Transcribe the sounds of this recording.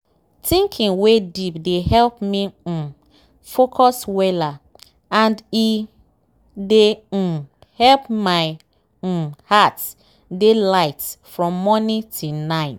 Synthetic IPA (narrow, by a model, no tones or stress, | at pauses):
tĩŋkʰĩŋwedipdehɛlpmi | fokʰɔswɛla | ãndi | de | hɛlpmaɪ | hat | delaɪtfɹɔ̃mːɔnitʰunaɪt